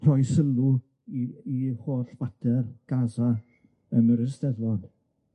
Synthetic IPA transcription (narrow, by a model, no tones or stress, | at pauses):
r̥ɔjsəlˠu | iihoːɬb̥adʰɛrɡ̥aza | ənəɾɪsd̥ɛðlɔn